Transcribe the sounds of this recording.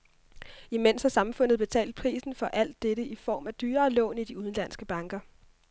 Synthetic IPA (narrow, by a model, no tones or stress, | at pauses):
imen̰shɑ̈sɑ̈mfɔ̽n̰ð̩ˠb̥e̝t͡sʰɛ̰ːld̥̚pʰʁḭːsn̩fɒ̽ʔæl̰d̥ːeɾəifɒ̰ːmæd̥yːɐːlɔ̰̽ːnid̥iuð̞ˠn̩læn̰sɡ̥əb̥ɑ̈ŋɡ̥ɐ